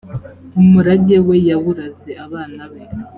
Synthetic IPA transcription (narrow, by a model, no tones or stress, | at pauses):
umuɾaɟewe̞jaβuɾazeʔaβaːnaβe